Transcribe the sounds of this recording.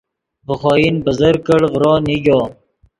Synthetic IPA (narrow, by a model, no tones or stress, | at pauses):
bəxɔːinbəzəɾkəɽvɾoːniɡoː